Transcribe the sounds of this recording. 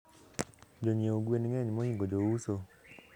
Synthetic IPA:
d͡ʒoɲeoɡwenŋɛɲmɔhiŋɡod͡ʒouso

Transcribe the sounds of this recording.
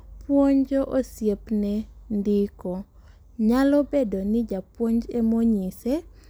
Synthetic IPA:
pwoɲd͡ʒoʔosjepnɛndɪko | ɲalɔbedonɪd͡ʒapwoɲd͡ʒɛmoɲisɛ

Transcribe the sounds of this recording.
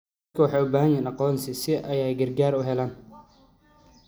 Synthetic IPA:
kʰɐwɑħɑːjʊbaːɦɐnjɛːnɑqɔːnsɪsɪʔɐjɛjɡɐrɡaːɾʊɦɛlaːn

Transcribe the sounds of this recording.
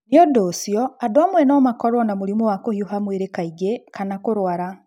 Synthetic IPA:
njɔdoːsjɔadoamwɛnɔːmakɔɾwɔnamoɾimowakohioɦamweɾekaiɡekanakoɾwaɾa

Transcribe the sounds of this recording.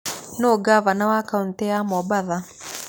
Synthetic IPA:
noɡaβanawakauntɛjamɔbaða

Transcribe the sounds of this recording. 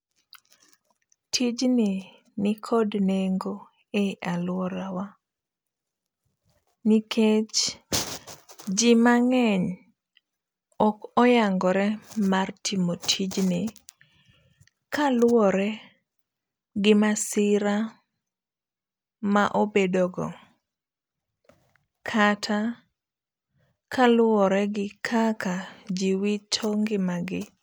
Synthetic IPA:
tʰid͡ʒnɪ | nɪkʰodneŋɡo | eʔalwɔɾawa | nikʰet͡ʃ | d͡ʒɪmaŋɛɲ | ɔkɔjaŋɡɔɾɛmartʰimotʰid͡ʒnɪ | kalwɔɾɛ | ɡɪmasɪɾa | maʔobedɔɡɔ̰ | kʰatʰa | kʰalwɔɾɛɡɪkʰakad͡ʒiwitʰoŋɡɪmaɡɪ

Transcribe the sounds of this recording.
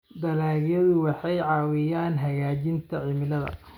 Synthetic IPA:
d̪ɐlaːɣjɐðʊwɑħɑjʕɑːwɪjaːnɦɐɣaːt͡ʃɪnt̪ʰɐʕɪmɪlɐðɐ̰

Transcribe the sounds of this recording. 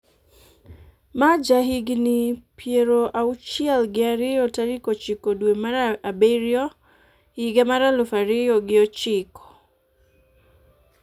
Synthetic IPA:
mad͡ʒaɦiɡinipʰiɛɾɔʔaut͡ʃialɡiaɾiɔtaɾikɔt͡ʃikɔɗuɛmaɾaːbɛɾiɔ | hiɡamaɾalufaɾijɔɡiɔt͡ʃikɔ̥

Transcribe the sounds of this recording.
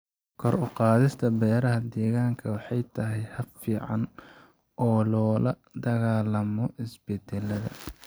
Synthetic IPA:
kʰɔrʊqɑːðɪst̪ʰɐbɛːɾɐɦɐd̪ɛːɣaːŋkʰɐwɑħɑjt̪ʰɐɦɛjhɐbfiːʕɑ̰n | ɔːlɔːlɐ | d̪ɐɣaːlɐmɔhɪsbɛd̪ɛlɐðɐ̰

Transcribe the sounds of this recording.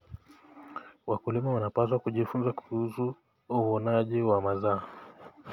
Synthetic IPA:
wakulimawanapas̬wakuʄifunzakuuzu | uwɔnaʄiwamazaɔ

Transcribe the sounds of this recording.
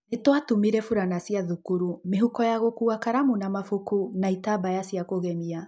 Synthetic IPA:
netwatumiɾɛfuɾanasiaðukuɾumeɦukɔjaɣokuakaɾamunamafukunaitabajasiakoɣɛmia

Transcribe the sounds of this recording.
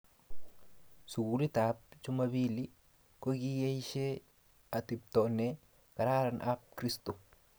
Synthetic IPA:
sʊɡulɪt̪aːb̚t͡ʃʊmɐbiːlɪ | kɔɡijeɪʃeː | ɐt̪ɪb̚t̪oneː | kɐɾaːɾɐnʔaːb̚kɾɪst̪ʊ

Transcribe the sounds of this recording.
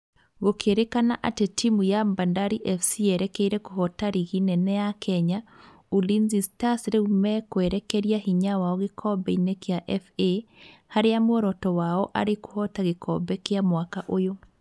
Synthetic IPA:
ɣokʰeɾekanaʔatetimujambandaɾiʔɛfsiɛɾɛkɛiɾɛkoɦɔtaɾiɣinɛnɛjakʰɛɲa | ulinzistasɾeumɛkwɛɾɛkɛɾiahiɲawaɔɣekʰɔbɛinekeaʔɛfehaɾeamwɔɾɔtɔwaɔʔa̰ɾeko̥hɔtaɣekɔ̰bɛkeamwakaʔojo

